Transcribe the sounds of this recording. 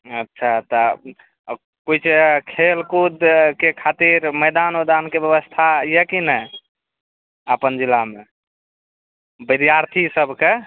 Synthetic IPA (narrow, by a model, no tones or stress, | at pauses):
ətːʃʰat̪ɔ | kujt͡ʃʰekʰelkud̪kekʰat̪iɾməjd̪anod̪ankebjəβəst̪ʰajəkinəj | əpənd͡ʒilːame | bid̪jaɾt̪ʰisəbʱke